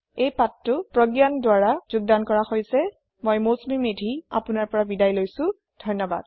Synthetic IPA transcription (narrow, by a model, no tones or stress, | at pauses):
ejpatːʊpɹɔɡjandwaɹazʊɡ̚dankɔɹaxojsɛ | mojmosmimedʱia̰pʊnaɹpɔɹabidajlojsʊ̃ | dʱɔjnɔba̰d̥